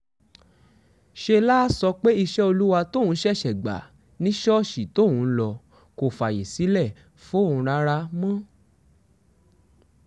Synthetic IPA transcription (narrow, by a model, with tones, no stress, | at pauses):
ʃe˧la˦sɔ˧k͡pe˦i˧ʃɛ˦o˧lu˦wa˧to˦˨wũ˨˦ʃɛ˦˨ʃɛ˨ɡ͡ba̰˨ | nĩ˦ʃɔ˦˨ʃi˨to˦˨wũ˨˦lɔ˧ | ko˨fa˨je˨si˨˦lɛ˦˨ | fo˦˨ũ˧ɾa˧˦ɾa˧mã˦